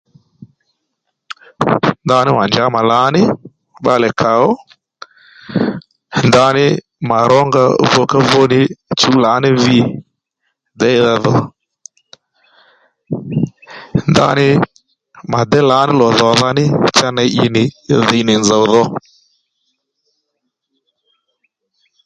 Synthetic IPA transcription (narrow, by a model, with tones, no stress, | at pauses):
nda˧nɪ˦ma˨nd͡ʒa˨˦ma˨la˨˦nɪ˦ | ɓa˧lɛ˨kʰa˨ɔ˦ | nda˧nɪ˦ | ma˨ɾɔ˦ŋɡa˧vɔ˧˦ka˦vo˦nɪ˦t͡ʃu˦la˨˦nɪ˦vi˦˨ | dɛ˦ɪ˦ða˧ðɔ˨ | nda̰˦˧˦nɪ˦ | ma˨dɛ˦la˨˦nɪ˦lɔ˨ðɔ˨ða˧˦nɪ˦t͡ʃa˦na˧˦ʔɪ˧nɪ˨ðɪ˨˦nɪ˨nd͡za˨wðɔ˧